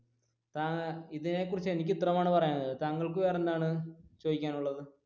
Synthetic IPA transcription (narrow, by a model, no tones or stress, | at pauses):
t̪aːiðine̞kːurit͡ɕːenik̬ʲːit̪rɐmaːɳɨpɐrɐjaːɳːɐðɨt̪aŋːɐɭkɨʋeːrend̪aːɳɨt͡ɕoːðikʲːaːnuɭːɐðɨ